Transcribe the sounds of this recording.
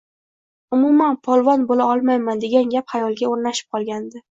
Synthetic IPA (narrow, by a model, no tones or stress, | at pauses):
ʊmʊmanpʰɒlˠvɒnbolaɒlˠmajmand̪e̞ɡʲanɡʲaphajɒlˠɡʲaoɾnaʃɪ̥p̚qʰɒlˠɡʲand̪ɪ